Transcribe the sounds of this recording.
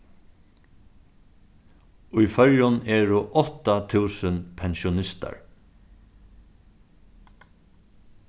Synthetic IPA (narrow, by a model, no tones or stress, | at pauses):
ʊjfœɹjʊnɛːɹʊʔɔt̪at̪ʰʉːsənpʰɛnʃʊnɪst̪a̰ɹ